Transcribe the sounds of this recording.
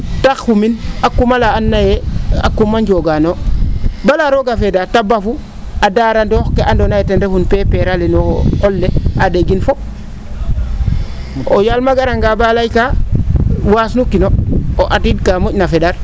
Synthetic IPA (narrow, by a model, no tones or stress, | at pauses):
taxːuminakːumalaːnːajea̰kːumaɲɟoɡanobalaɾoɡafedatabafu | adaɾandoxkeandonajetendefunpepeɾalenokolːeadeɡinfo | o̰jalmaɡaɾaŋɡabalajka | wasnukinooʔatidkamocnafedaɾ